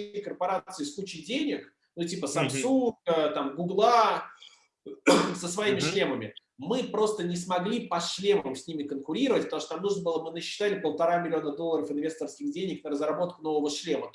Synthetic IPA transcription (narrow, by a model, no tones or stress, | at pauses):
jkərpɐɾat̪sɨɪsklˠut͡ɕɪjdʲenʲɪk | nutʲipəsɐmssunɡət̪amɡʊɡlˠa | səsvɐimʲɪʂlʲe̞məmʲɪ | mɨpɾo̞st̪ənʲɪsmɐɡlʲipɐʂlʲeməmsʲnʲimʲɪkənkʊɾʲiɾəvətʲpət̪ɐmuʂt̪onamnuʐnəbɨlˠəbɨnəɕːɪ̥t̪alʲɪpəlˠt̪ɐɾamʲɪlʲɪo̞nəd̪olˠːəɾəfɨnvʲe̞st̪ərskʲɪɣdʲenʲɪknəɾəzrɐbo̞t̪̚kʊno̞vəvəʂlʲemə